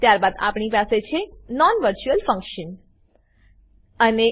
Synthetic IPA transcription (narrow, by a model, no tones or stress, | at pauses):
t̪jaɾbad̪a̰pɳipaset͡ʃʰenɔnʋəɾt͡ʃuəlfə̃ŋkʃən | əne